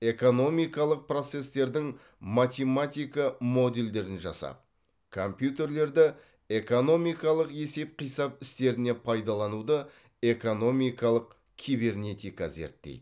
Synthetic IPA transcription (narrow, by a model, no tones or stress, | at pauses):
e̞ko̞no̞mijkɑlˠəq̚pro̞t̪se̞st̪e̞ɾd̪ɪŋ | mat̪ʲe̞mat̪ʲijkɑmo̞d̪e̞ld̪e̞ɾɪnʒɑ̰sɑ̰p̚ | kʰo̞mpjut̪e̞ɾle̞ɾd̪ɪ | e̞ko̞no̞mijkɑlˠəqe̞se̞p̚qʰijsɑp̚ɪst̪e̞ɾɪne̞pʰɑjd̪ɑlˠɑnud̪ə | e̞ko̞no̞mʲijkɑlˠəq̚ | kʲʰijbe̞rne̞t̪ijkazḛɾt̪ːḛjd̪ɪ